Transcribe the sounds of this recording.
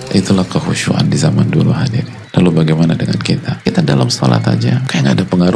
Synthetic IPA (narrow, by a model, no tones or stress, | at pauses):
ʔit̪ulahkəhuʃuʔa̰ndizamandulṵɦadir | lalubaɡajmanadəŋa̰nkit̪akit̪adalamso̰la̰t̪a̰d͡ʒakajaŋadapəŋaɾu